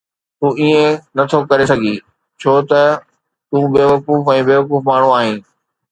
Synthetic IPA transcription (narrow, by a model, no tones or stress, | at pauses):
t̪uːiẽnɐt̪ʰokɐɾesɐɡʱiː | t͡ɕʰoːt̪ɐ | t̪ũːbeːʋɐkuːfɛ̃ːbeːʋɐkuːfmaːɳ̤ũaːɦẽː